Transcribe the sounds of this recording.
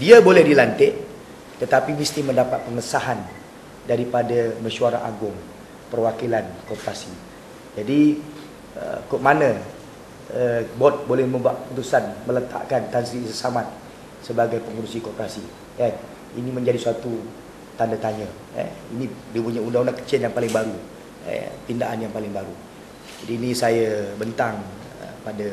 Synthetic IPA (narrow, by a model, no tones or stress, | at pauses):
diabolɛhdilant̪ɪʔ | t̪ət̪apimist̪imə̃ndapat̪̚pəŋəsaɦan | daɾipadamə̃ʃuaɾa̰ɦa̰ɡʊŋ | pərwakilankɔpɾasi | d͡ʒadi | ə̰kuʔ̚manə | əbɔt̪̚bolɛhmə̃mbuaʔ̪put̪usanmələt̪a̰ʔkant̪ansisəsamat̪̚ | səbaɡajpəŋuɾusikɔpəɾasi | an | ḭnĩmə̃ɲd͡ʒadisuat̪u | t̪andat̪aɲə | ə̰ḭnĩdipuɲaundaŋundaŋkə̥t͡ʃɪljaŋpalɪŋbaɾu | ə̰t̪indaʔanjaŋpalɪŋbaɾu | d͡ʒadiːnĩsajabənt̪aŋ | ə̰pada